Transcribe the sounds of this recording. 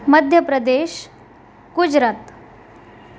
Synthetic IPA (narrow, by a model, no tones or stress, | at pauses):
məd̪ʱjəpɾəd̪eːɕ | ɡud͡ʑɾaːt̪